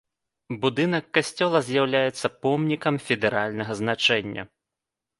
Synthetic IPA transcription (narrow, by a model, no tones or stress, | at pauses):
bud̪ɨnɐkːasʲt͡sʲɔlˠɐzʲjawlʲajɛt̪sːɐpɔmnʲikɐmfʲɛd̪ɛɾalʲnɐɣɐznat͡ʂɛnʲːɐ̰